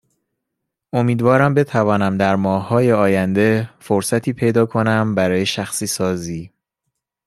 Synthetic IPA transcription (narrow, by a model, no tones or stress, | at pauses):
ʔo̞miːd̪vɒːɾæmbe̞t̪ʰævɒːnæmd̪æɾmɒːhːɒːje̞ɒːjænd̪e̞foɾsæt̪ʰiːpʰe̞jd̪ɒːkʰo̞næmbæɾɒːje̞ʃæxsiːsɒːziː